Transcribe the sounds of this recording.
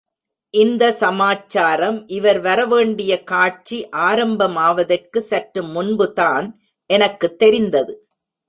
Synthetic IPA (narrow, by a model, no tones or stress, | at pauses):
ʔɪnd̪ɐsɐmaːt͡ʃːaːɾɐmʔɪʋɐɾʋɐɾɐʋeːɳɖɪjɐkaːʈ̚t͡ʃiʔaːɾɐmbɐmaːʋɐðɐrkɯsɐʈɾɯmːʊnbɯt̪aːn | ʔɛnɐkːɯt̪ːɛɾɪnd̪ɐðɯ